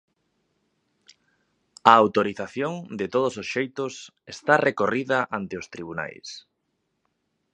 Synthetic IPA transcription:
aːwt̪oɾiθaθjoŋd̪ɪt̪oð̞ososʃejt̪ʊs | est̪arʔekoriðɐʔant̪ɪost̪ɾiβ̞una̰js

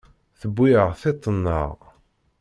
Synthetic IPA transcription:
θəbːiʁθit̪ˤːənːə̰ʁ

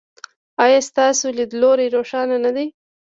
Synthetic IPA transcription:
ɑjɑst̪ɑsolid̪loɾejɾoʂɑnanad̪e

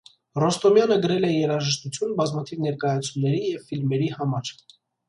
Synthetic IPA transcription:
rɔst̪ɔmjɑnəɡəɾɛlɛjɛɾɑʒəʃt̪ut͡sʰjunbɑzmɑt̪ʰivnɛɾkɑjɑt͡sʰunːɛɾijɛvfilmɛɾihɑmɑɾ

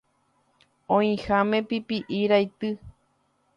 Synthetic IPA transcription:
õĩhamẽpipiʔiɾajt̪ɨ

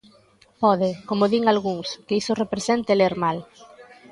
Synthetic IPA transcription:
pɔðɪkomoðiŋalɣuŋskeisʊrepɾesent̪ɪleɾmal

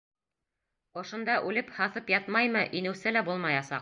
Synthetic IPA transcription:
ŏʃŏnd̪ɑʔʉlɘphɑθɤpjɑt̪mɑjmɤʔinɘ̆wsɘlæbulˠmɑjɑsɑ̰q

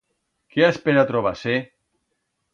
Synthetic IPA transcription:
keaspeɾat̪ɾoβ̞ase

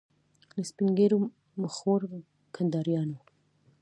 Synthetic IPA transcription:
ləspiŋɡeɾo | məxoɾ | kʰand̪ɑɾjɑno

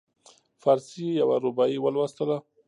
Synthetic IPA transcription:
faɾsijawaɾubɑjiwəlwast̪əla

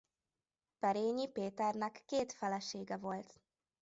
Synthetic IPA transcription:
pɛɾeːɲipeːt̪ɛrnɛkːeːt̪fɛlɛʃeːɡɛvo̞lt̪

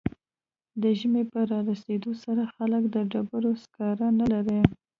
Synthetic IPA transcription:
d̪əʒəmepəɾɑɾased̪osaɾaxaləkd̪əɖabəɾoskɑɾanalaɾe

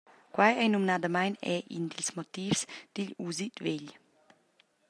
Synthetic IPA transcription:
kwajɛjnumnad̪amajnɛʔḭnd̪ilsmɔt̪ifsd̪̥iʎuzit̪veʎ

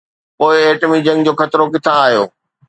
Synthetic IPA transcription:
poːɪeːʈəmid͡ʑɐ̃ŋɡd͡ʑoːxɐt̪ɾokɪt̪ʰãːɦjo̰ː

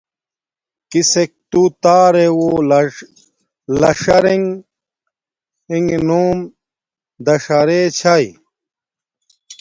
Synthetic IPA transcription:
kisek̚t̪ut̪aːɾewo | lɐʂɐɾeŋ | iŋnuːm | d̪ɐʂaɾet͡ɕʰaj

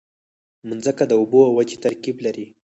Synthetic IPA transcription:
mənzəkad̪əuboawwad͡ʒet̪aɾkiblaɾi

